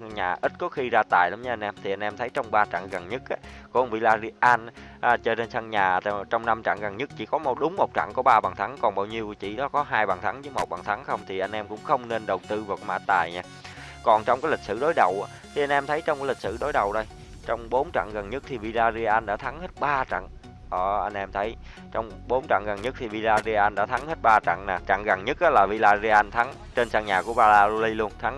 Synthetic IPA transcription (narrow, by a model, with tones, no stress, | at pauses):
ɲaː˨˩ʔi˦˥t̚kɔ˨˦xi˧zaː˧t̪aː˨˩jla˨˦mɲa˧a˧jnʔɛ˧mt̪ʰi˨˩ʔa˧ŋ̟ʔɛ˧mt̪ʰə˨˦jt͡ɕɔ˧wŋ͡mɓaː˧t͡ɕa̰˧˨ŋɣə˨˩nɲɨ˦˥k̚ʔa˨˦kṵ˧˩˦ŋvḭ˧˨laː˧zi˧ʔaː˧nʔːt͡ɕɔ˧ne˧nsa˧ŋɲaː˨˩˨t͡ɕɔ˧wŋ͡mna˧mt͡ɕa̰˧˨ŋɣə˨˩nɲɨ˦˥k̚t͡ɕḭ˧˩kɔ˨˦m̚˨˩ɗʊ˨˦ŋ͡mmo˨˩t̚t͡ɕa̰˧˨ŋkɔ˧˦ɓaː˧ɓaː˨˩nt̪ʰa˨˦ŋkɔ˨˩nɓaː˧˩wɲi˧əwt͡ɕḭ˧˩ɗɔ˨˦kɔ˨˦ɦaː˧jɓaː˨˩nt̪ʰa˨˦ŋzɨ˨˦jmo˨˩t̚ɓaː˨˩t̪ʰa˨˦ŋxə˧wŋ͡mt̪ʰi˨˩ʔa˧jnʔɛ˧mkʊ̰˧˥ŋ͡mxə˧wŋ͡mne˧nɗə˨˩wt̪ɨ˧vaː˨˩kɔ˧˦ma̰ː˧˥t̪aː˨˩jɲaː˧ | kɔ˨˩nt͡ɕɔ˧wŋ͡mkaː˨˦jlï˨˩k̚sɨ̰˧˨ɗo˨˦jɗə˨˩wʔaː˨˦t̪ʰi˨˩ʔa˧ŋ̟ʔɛ˧mt̪ʰə˨˦jt͡ɕɔ˧ŋ͡mkaː˨˦li˨˩k̟̚sɨ̰˧˨ɗo˨˦jɗə˨˩wɗə˧j | t͡ɕɔ˧wŋ͡mɓo˨˦nt͡ɕa̰˧˨ŋɣə˨˩nɲə˦˥k̚t̪ʰi˨˩vi˧laː˧zi˧ʔaː˧nɗaː˧˥t̪ʰa˨˦ŋhe˦˥t̚ɓaː˧t͡ɕa̰˧˨ŋ | ʔəː˧˩ʔa˧jŋ̟ʔɛ˧mt̪ʰə˨˦j | t͡ɕɔ˧wŋ͡m | ɓo˨˦nt͡ɕa̰˧˨ŋɣə˨˩nɲə˦˥k̚t̪ʰi˨˩vi˧laː˧zi˧ʔaː˧nɗa̰ː˧˥t̪ʰa˨˦ŋhe˦˥t̚ɓaː˧t͡ɕa̰˧˨ŋnaː˨˩t͡ɕa̰˧˨ŋɣə˨˩nɲə˦˥k̚ʔaː˨˦laː˨˩vi˧laː˧zi˧ʔaː˧nt̪ʰa˨˦ŋ | t͡ɕe˧nsaː˧ŋɲaː˨˩ku˧˩əɓaː˧laː˧zu˧li˧lu˧ənt̪ʰa˨˦ŋ